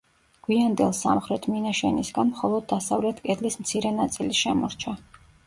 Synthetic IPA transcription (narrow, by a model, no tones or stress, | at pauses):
ɡ̥wiand̪ɛlˠsa̰mχɾɛt̪ʰminaʃɛnisɡanmχɔlˠɔd̪̚ːasavlɛt̪ʰkʼɛd̪lismt̪sʰiɾɛnat̪sʼiliʃɛmɔɾt͡ʃʰa